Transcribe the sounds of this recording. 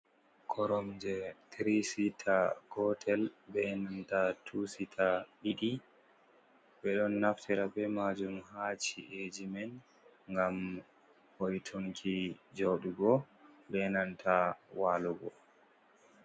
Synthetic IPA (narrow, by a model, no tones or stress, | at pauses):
kʰɔɾɔmd͡ʒɛtɾisitʰaɡɔtʰɛlbɛnantatʰusitʰaɗiɗi | bɛɗɔnːaftʰɛɾabɛmad͡ʒumhaːt͡ʃiʔed͡ʒimɛn | ŋɡam | hojtʰoŋkʰid͡ʒoɗuɡɔ | bɛnantʰawalɔɡɔ̰